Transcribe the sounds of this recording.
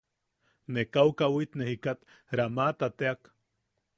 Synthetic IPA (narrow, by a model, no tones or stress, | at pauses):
nekawkawit̪nehikat̪ | ɾamat̪at̪eak